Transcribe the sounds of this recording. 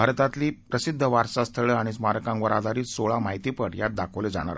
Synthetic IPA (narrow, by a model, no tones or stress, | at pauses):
aɾt̪at̪liːpɾəsid̪ʱːəʋaɾsast̪ʰəɭəaɽ̃ismaɾəkãŋkʋəɾad̪aɾiːt̪soɭamaɦit̪iːpəɽjat̪̚d̪akʰəʋled͡za̰ɽ̃a̰ɾ